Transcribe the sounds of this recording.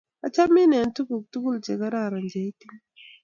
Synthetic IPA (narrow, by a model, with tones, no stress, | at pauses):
a˨t͡ʃa˦mi˦nɛ˨n˦tu˦ɡu˨k̚tu˦ɡu˦ld͡ʒe˨ka˦ɾa˦˨ɾa˨nd͡ʒa˨jti˦ŋ